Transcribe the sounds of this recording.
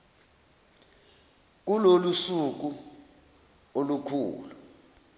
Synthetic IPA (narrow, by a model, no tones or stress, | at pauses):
k̬ulolusuk̬u | olukʰṵːlu